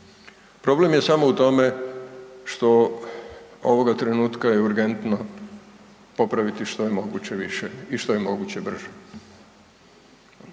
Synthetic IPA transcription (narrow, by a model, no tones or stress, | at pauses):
pɾo̞ble̞mje̞samo̞ut̪o̞me̞ | ʃt̪o̞ | oʋo̞ɡat̪ɾe̞nuːt̪kajeuɾɡe̞nt̪no̞ | po̞pɾaʋit̪iʃt̪ojemo̞ɡuːt͡ɕeʋiʃeiʃt̪ojemo̞ɡuːt͡ɕebr̩ʒe